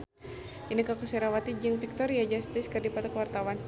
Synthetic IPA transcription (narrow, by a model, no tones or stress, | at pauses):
ʔinikakusɛɾawat̪id͡ʒɨŋfik̚t̪ɔɾiad͡ʒast̪ɪskərdipat̪akəwart̪awan